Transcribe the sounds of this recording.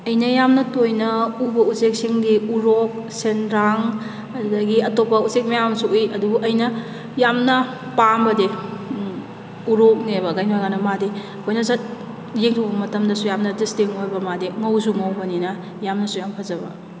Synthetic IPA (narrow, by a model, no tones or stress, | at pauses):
ɐjnɐjamnɐtojnɐubɐuzek̚siŋdiuɾok̚ | senɾaŋ | ɐdɐɡiɐtopːɐuzek̚mɐjamsuujɐdubuʔɐjnɐ | jamnɐ | pambɐde | uɾok̚nebɐɡajnojɡanɐmadi | kʰojnɐzɐt̚ | jeŋtʰowbɐmɐtɐmdɐsujamnɐdistiŋoɾbɐmadiŋɐwzuŋɐwbɐninɐ | jamnɐsujampʰɐzɐbɐ̰